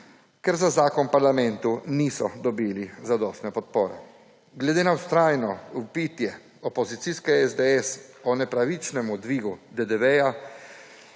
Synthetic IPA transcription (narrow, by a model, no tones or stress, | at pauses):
kɛɾzazaːkɔnpaɾlamɛnt̪unisɔd̪ɔbiːlizad̪ɔːst̪nɛpɔt̪̚poːɾɛ̰ | ɡlɛd̪eːnawst̪ɾaːjnɔupit̪jɛ | ɔpɔzit̪siskɛɛzd̪ɛɛsɔnɛpɾaʋit͡ʃnɛmud̪ʋiːɡud̪ɛd̪ɛʋɛja